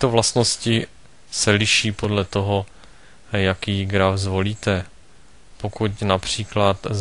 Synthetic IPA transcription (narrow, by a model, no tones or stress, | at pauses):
t̪ovlast̪no̞scɪ | sɛlɪʃiːpodlɛt̪o̞ɦo̞ | jakiːɡɾafzvo̞liːt̪ɛ | pokucnapr̝̥iːklat̪